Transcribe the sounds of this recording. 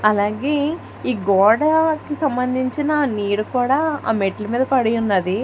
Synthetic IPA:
ɐlaːɡe̞ː | iːɡɔːɽakisɐmbɐnd̪ʱiɲt͡ʃinɐniːɽukuːɽaːa̰ːmeʈlɐmiːd̪ɐpɐɽijunːɐd̪i

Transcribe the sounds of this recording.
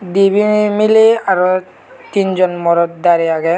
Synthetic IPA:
d̪ibʱinmileaɾo | t̪ind͡ʒɔnmɔɾɔt̪̚d̪aɾiaɡɛ

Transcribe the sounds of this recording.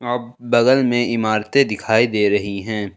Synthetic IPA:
aːb̚bɐɡəlmẽɪmaːɾt̪ẽd̪ɪkʰaːid̪eːɾɐɦiɦɛ̃ː

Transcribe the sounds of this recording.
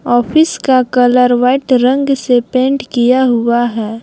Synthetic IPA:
ɔːpʰɪskakɐləɾʋaɪʈɾə̃ŋɡsepẽːɳʈkijaɦʊaɦɛː

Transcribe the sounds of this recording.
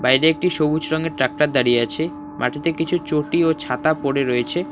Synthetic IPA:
bajɾeek̚ʈiʃobuɾɔŋeɾʈɾak̚ʈaɾd̪aɾijeat͡ɕʰe | mʔa̰ʈʰit̪ekit͡ɕʰut͡ɕoʈiot͡ɕʰat̪apoɽeɾoet͡ɕʰe

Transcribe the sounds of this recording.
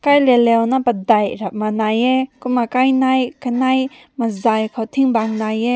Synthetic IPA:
kajlɛlɛwnapɐdajɾap̚manajɛkumakajnajkanaj | mazajkʰawt̪ʰiŋbaŋnajɛ

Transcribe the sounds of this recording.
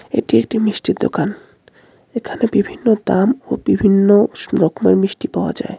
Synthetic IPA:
ḛʈiek̚ʈimiʃʈiɾd̪o̰kan | ekʰanebibʱinːod̪amo̰bibʱinːoɾɔkʰmeɾmɾiʃʈipaoa̰d͡ʑa̰e

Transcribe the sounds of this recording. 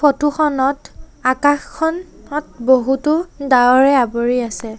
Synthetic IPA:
fotuxɔnɔtakaxkʰːɔn | ɔt̚boɦutʊdaɔɹɛaboɹiasɛ

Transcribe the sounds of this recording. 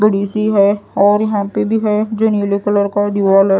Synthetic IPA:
bəɽiːsiɦɛɔːɾjɐɦãpebʱiɦɛd͡ʒonulokʊləɾkaɖiʋalɛ

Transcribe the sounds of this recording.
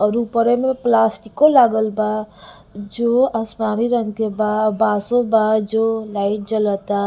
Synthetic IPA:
ʌɾupəɾemeplasʈikːolaɡəlba | d͡ʒoasmaɾiɾəŋkebabasobad͡ʒolaiʈ̚d͡ʒʌlət̪a

